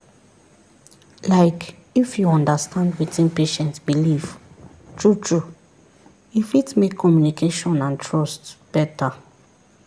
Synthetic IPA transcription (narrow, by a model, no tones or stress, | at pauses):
laɪk | ifjuɔ̃ndastʰãndwitĩnpeʃɛ̃ntsbiliv̥ | tʰɹutʰɹu | ifitmekʰːɔmjunikʰeʃɔ̃nãntʰɹɔstb̥ɛta